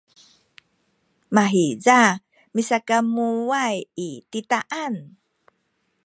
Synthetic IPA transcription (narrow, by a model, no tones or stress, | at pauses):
maɦiza | misakamuajititaʔan